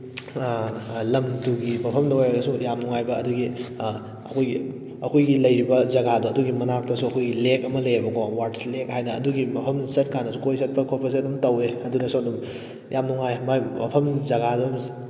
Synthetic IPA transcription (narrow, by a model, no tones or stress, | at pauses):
lɐmtuɡimɐpʰɐmdɐwajaɾɐsujamnuŋajbɐɐduɡi | ɐ̰kʰojɡi | ɐkʰojɡilɐjɾibɐzɐɡaduɐduɡimɐnak̚tɐsuɐkʰojɡilekɐmɐlɐjebɐkʰowaɾtslekɦajdɐɐduɡimɐpʰɐmsɐt̚kʰanɐsukojs̬ɐt̚pʰɐkʰopʰɐs̬et̚dumtɐweɐdunɐsodum | jamnuŋajmamɐpʰɐmzɐɡadum